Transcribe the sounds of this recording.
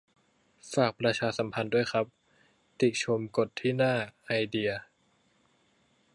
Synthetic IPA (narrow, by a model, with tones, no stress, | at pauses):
faː˨˩k̚pɾa˧t͡ɕʰaː˧sa˩˦mpʰa˧ndu˥˩əjxʰɾa˦˥p̚ | t̪i˨˩t͡ɕʰo˧mko˨˩t̪ʰːiː˥˩naː˥˩ʔa˧jdi˧ɐ